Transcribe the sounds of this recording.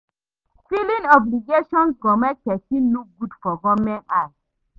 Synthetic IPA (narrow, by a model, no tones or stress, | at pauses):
filĩnɔbliɡeʃɔ̃nsɡɔmɛt͡ʃɛsĩnuɡudfɔɡɔmɛ̃na